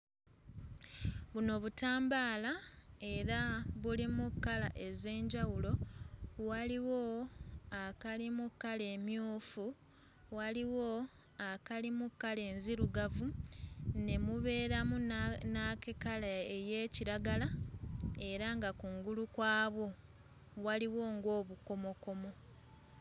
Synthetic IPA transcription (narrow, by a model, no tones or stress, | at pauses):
βuno̞βutaːmbaːlae̞ɾaβulimukːala̰ʔe̞ze̞ːɲɟawulo̞waliwo̞akalimukːale̞ːmjuːfu | waliwo̞ | akalimukːale̞ːnziɾuɡavu | ne̞muβe̞ːɾamunakekalaeje̞ːciɾaɡala | e̞ɾaŋɡakuŋɡulukwaːβwo̞ | waliwo̞ːŋɡo̞ːβuko̞mo̞ko̞mo̞